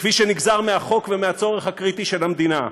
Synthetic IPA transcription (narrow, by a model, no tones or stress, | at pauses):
kfiʃeniɡzaʁmeaχo̞kvemeat͡so̞ʁeχhakʁit̪iʃelhamd̪ina